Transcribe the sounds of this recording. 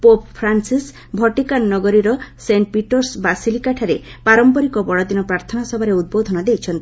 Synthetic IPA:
poppʰɾansis | bʱɔʈikanːɔɡɔɾiɾɔseɳʈ̚piʈɔɾsbasilikaʈʰaɾepaɾɔmpɔɾikɔbɔɽɔd̪inɔpɾaɾt̪ʰɔnasɔbʱaɾeud̪̚bod̪ʱɔnɔd̪ejt͡ʃʰɔnt̪

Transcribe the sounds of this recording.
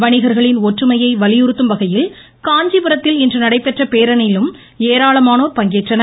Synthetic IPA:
ʋɐɳɪɣɐɾɣɐɭɪnoʈrɯmɐjɐɪʋɐlɪjɯɾɯt̪ːɯmʋɐɣɐjɪl | kaːɲd͡ʒipɯɾɐt̪ːɪlɪndrɯnɐɽɐɪpːɛʈrɐpeːɾɐnɐjɪlɯm | eːɾaːɭɐmaːnoːɾpɐŋɡeːʈrɐnɐ

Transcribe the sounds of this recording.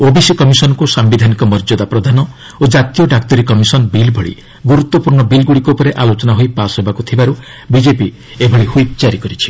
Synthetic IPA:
obisikɔmisɔnɔkusambid̪ʱanikɔmɔɾd͡ʒɔd̪apɾɔd̪ʱanɔ | od͡ʒat̪ijɔɖak̚t̪ɔɾikɔmisɔnbilbʱɔɭḭ | ɡuɾut̪ːɔpuɾɳɔbilɡuɽikoupɔɾeʔalot͡ʃɔnaɦojpasɦebakut̪ʰibaɾu | bid͡ʒepi | ebʱɔɭihubt͡ʃaɾikɔɾit͡ʃʰi̥

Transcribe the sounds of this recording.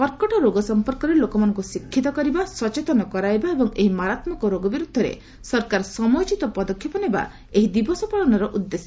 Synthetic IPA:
pɔɾkɔʈɔɾoɡɔsɔmpɔɾkɔɾelokɔmanɔŋkusikʰːit̪ɔkɔɾibasɔt͡ʃet̪ɔnɔkɔɾajbaebɔŋeɦimaɾat̪mɔkɔɾoɡɔbiɾud̪ʱːɔɾḛ | sɔɾkaɾsɔmɔjt͡ʃit̪ɔpɔd̪ɔkʰjɔpɔneba̰ | eɦid̪ibɔsɔpaɭɔnɔɾɔʔud̪ːesɔ

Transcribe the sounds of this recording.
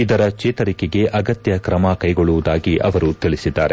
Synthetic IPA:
id̪ɐɾɐt͡ʃeːt̪ɐɾikeɡe̞ʔɐɡɐt̪jɐkɾɐmɐkɐjɡo̞ɭːuʋud̪aːɡiʔɐʋɐɾut̪iɭisid̪ːaːɾe

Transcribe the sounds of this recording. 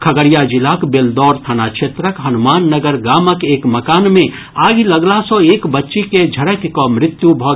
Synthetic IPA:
kʰəɡəɾijad͡ʒilaːkbeld̪ɔːɾt̪ʰanat͡ʃʰeːt̪ɾəkɦənumaːnːəɡəɾɡaːməkeːkməkaːnmẽ | aːɡiləɡlasɔ̃eːkbətːʃiked͡ʒʱəɽəkkɔmɾɪt̪jubʱɔ

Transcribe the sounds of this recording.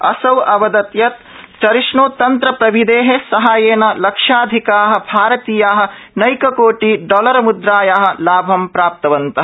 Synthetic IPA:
ɐsɐwɐʋɐd̪ɐt̪jɐt̪̚ | t͡ʃɐɾiʂɳoːt̪ɐnt̪ɾɐpɾɐʋid̪eːɦesɐɦaːjeːnɐlɐkʂaːd̪ʱikaːɦɐ̆bʱaːɾɐt̪iːjaːɦɐ̆nɐjkɐkoːʈiːɖɔːlɐɾɐmud̪ɾaːjaːɦɐ̆laːbʱɐmpɾaːp̚t̪ɐʋɐnt̪ɐ

